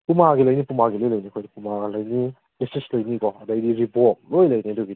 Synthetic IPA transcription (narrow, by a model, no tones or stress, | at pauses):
pumaɡilojnipumaɡilojlojnikʰojdipumalajni | disislojniɡɔɐdaidiɾipɔt̚lojlajnidɔɡi